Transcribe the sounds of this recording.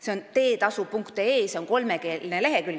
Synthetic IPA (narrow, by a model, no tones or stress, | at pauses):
se̞o̞nt̪e̞ːt̪ɑsupuŋkt̪eeːseo̞ŋko̞lme̞ke̞ːlnele̞ɦekyl